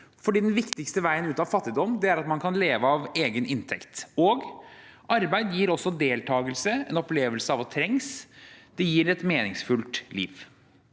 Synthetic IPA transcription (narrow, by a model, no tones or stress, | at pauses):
fɔɖiːd̪ɛnʋɪkt̪ɪkst̪əʋæɪənʉːt̪ɑʋfɑt̪ːɪd̪ɔmːd̪ɛæɾɑt̪mɑnkʰɑnleːʋəɑʋeːɡənʔɪnt̪ʰɛkt̪oːɡ | ɑɾbæɪd̪jiːɾɔsːɔd̪eːlt̪ʰɑːɡəlsəɛnɔpleːʋəlsəɑːʋɔt̪ʰɾɛŋsd̪ɛjiːɾɛt̪meːnɪŋsfʉlt̪lḭːʋ